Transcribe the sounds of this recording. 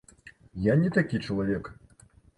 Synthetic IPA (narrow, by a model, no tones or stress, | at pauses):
janʲɛt̪akʲit͡ʂɐlˠavʲɛk